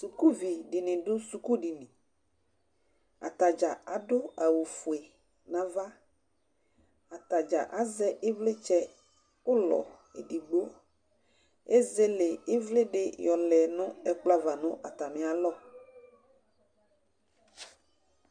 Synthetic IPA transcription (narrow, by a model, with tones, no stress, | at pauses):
su˨ku˦vi˨ɖi˨nɪ̃˨ɖʊ˦su˨ku˦ɖi˨nɪ̃˨ | a̰˨t̪a˨d͡ʒa˨a˨ɖʊ˦a˨wu˨fu˨e˨ | nã˨va˦ | a˨t̪a˨d͡ʒa̰˨ʔa˨˦zɛ˦ʔɪ˦vlɪ˦t͡ʃɛ˦ | ʊ˦lɔ̰˨ | ḛ˨ɖi˨ɡ͡bo˦ | e˦ze˦le˨ɪ˦vlɪ˦ɖɪ˦jɔ˨lɛ˨nʊ̃˦ɛ˦k͡pla˦va˨nʊ̃˦ʔa˨t̪a˨mɪ̃˨a˨lɔ˦˨